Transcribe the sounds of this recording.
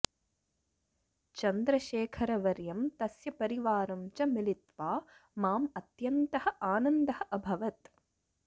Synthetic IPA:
t͡ʃɐnd̪ɾɐʃeːkʰɐɾɐʋɐɾjɐmt̪ɐsjɐpɐɾiʋaːɾɐmt͡ʃɐmilit̪ʋaː | maːmɐt̪jɐnt̪ɐhɐʔaːnɐnd̪ɐhɐʔɐbʱɐʋɐt̪

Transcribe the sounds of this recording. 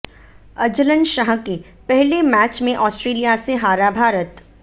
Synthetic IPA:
ɐd͡ʒələnʃaɦki | pɛɦlemɛːt͡ʃmẽʔɔːsʈɾeːlijaseɦaːɾabʱaːɾət̪

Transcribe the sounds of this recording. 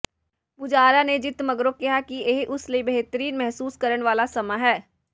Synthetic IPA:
mʊd͡ʒaːɾaned͡ʒɪt̪mɐɡɾokɛɦakieːɦʔʊsliibɐɦt̪əɾiːnmɛɦsuːskɐɾənʋaːlasɐmaɦɛː

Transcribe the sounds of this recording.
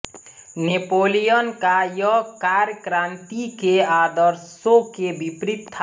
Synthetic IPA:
nepoːlijənkajɔkaɾjəkɾant̪ikead̪əɾsõkebipɾit̪ʰːa

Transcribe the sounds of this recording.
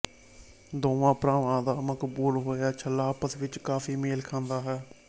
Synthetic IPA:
d̪oːʋãːpɾaːʋãːd̪aːməkbuːlɦoːjaːt͡ʃʰəlːaːpəsʋɪt͡ʃkaːfʰiːmeːlkʰãːnd̪aːɦɛː

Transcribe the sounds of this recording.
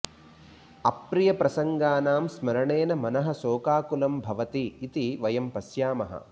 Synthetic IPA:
ɐpɾijɐpɾɐsɐŋɡaːnaːmsmɐɾɐɳeːnɐmɐnɐɦɐ̆soːkaːkulɐmbʱɐʋɐt̪iːt̪iʋɐjɐmpɐsjaːmɐɦɐ̰

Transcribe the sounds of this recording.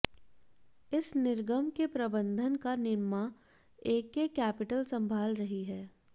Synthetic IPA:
ɪsnɪɾɡəmkepɾɐbə̃nd̪ʱənkanɪɾma | eːkːekɛːpɪʈəlsɐ̃mbʱaːlɾɐɦiɦɛː

